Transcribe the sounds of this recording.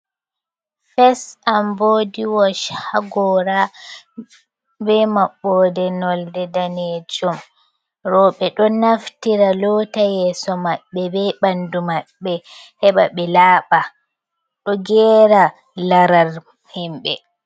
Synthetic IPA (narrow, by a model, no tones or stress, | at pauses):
fɛsʔamboːdiwɔʃhaɡɔɾa | bɛmaɓːɔdɛnɔldɛdaned͡ʒum | ɾɔɓɛɗɔnaftiɾalɔtajɛːsɔmaɓːɛbɛɓandumaɓːɛhɛɓa̰ɓɛlaːɓa | ɗɔɡɛːɾa | laɾaɾ | himɓɛ